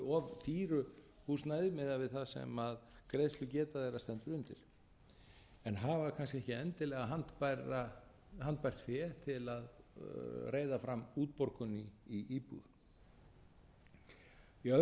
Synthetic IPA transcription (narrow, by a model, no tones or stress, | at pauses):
ɔvt̪ʰiːɾʏ | hust̪naːjðɪmɪðavɪðθaðsɛ̰maðkɾejst̪lʏcɛːt̪aðejɾast̪ɛnt̪ʏɾʏmt̪ʰɪ̰l̥ | ɛnɦavakʰans̬cɪɛhcɪɛnt̪ɪlɛːɣaɦant̪pajɾa | hant̪̚pajr̥t̪fɛ̥ːt̪ʰɪlað | reːjðafɾamːuːt̪̚pɔɾkʏnɪiʔiːpṵð | iœ